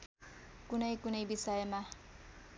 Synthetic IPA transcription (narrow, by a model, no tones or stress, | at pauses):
kunʌjkunʌjbisʌjma